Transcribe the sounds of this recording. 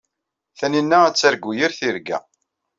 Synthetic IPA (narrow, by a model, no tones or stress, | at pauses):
θæninːææt͡sːæɾɡːujəɾθiɾɡæ̰